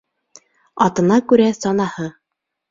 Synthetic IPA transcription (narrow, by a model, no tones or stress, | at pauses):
ɑt̪ɤ̆nɑkʉɾæsɑnɑhɤ